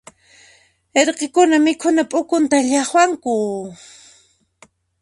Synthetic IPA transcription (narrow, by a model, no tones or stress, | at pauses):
eɾqekʊnamɪkʰʊnapʼʊkʊnt̪aʎɑχwaŋkʊ